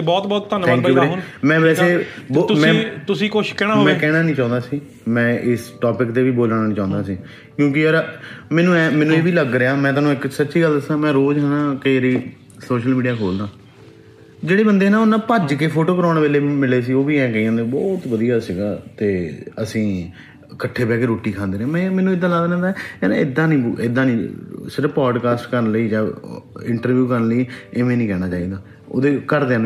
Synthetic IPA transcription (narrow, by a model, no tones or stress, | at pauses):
ebɔːt̪bɔːt̪ːənʰɛ̃ːŋkjuːɾemɛ̃ːʋɛːseːbot̪mɛ̃ːt̪ʊsĩːkʊt͡ʃkɛːɽ̃aːmɛ̃ːkɛːɽ̃aːnĩːt͡ʃãːnd̪aːsiː | mɛ̃ːʔɪsʈɔːpɪkt̪eːʋiːboːlaːnaːnĩt͡ʃãːnd̪aːsiː | kjõːk̬ɪəɾmɛ̃ːnũːɛ̃ːmɛ̃ːnũːeːʋiːləɡɾɪaːmɛ̃ːt̪̬aːnũːɪksət̪ːʃiːɡəld̪əsãːmɛ̃ːɾoːd͡ʒɦɛːnãːkeːɾiː | soːʃəlmiːɖijaːkʰoːld̪ãː | d͡ʒeːɽeːbənd̪eːnãːʊnãːpəd͡ʒkeːpʰoːʈoːkəɾaːɽ̃nːʋeːleːmɪleːs̬iːoːʋiːɛ̃ːkəiːãːnd̪ebɔːt̪ʋəd̪ijaːsɪɡaːt̪eːəsĩː | kəʈʰːeːpɛːkeːɾoːʈːiːkʰãːnd̪eːɾeãmɛ̃ːmɛ̃ːnũːɪd̪ːãːlaːd̪nãːɛ̃ːɛːñ̰ːɪd̪ːãːnĩːbuɪd̪ãːnĩːsəɾpaːɖkaːsʈkəɾənləiːd͡ʒãːɪɳʈəɾʋjuːkəɾnləiːeːmẽːnĩːkɛːɽ̃aːt͡ʃaːiːd̪aː | o̰ːd̪eːkəɾd̪eːn